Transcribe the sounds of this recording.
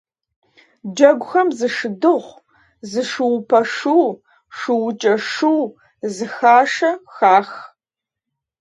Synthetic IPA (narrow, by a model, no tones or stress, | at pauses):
d͡ʒɐɡʷʊxɐmzɨʂɨdɨʁʷ | zɨʂɨwpʰɐʂuw | ʂɨwʊt͡ʃʼɐʂuw | zɨxaːʂɐxaːx